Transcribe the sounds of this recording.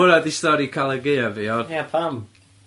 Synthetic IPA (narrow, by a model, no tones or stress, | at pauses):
əɾadistɔɾikʰalˠɛɡejaviɔjapʰam